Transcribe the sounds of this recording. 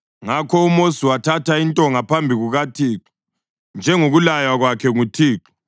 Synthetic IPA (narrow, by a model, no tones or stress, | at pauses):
ŋakʰɔumosiwatʰatʰaintʼɔŋapʰambʱiɣuɣatʰiːǁi̥ | nd͡ʒʱɛŋoɣulajaɣwakʰɛŋutʰiːǃi̥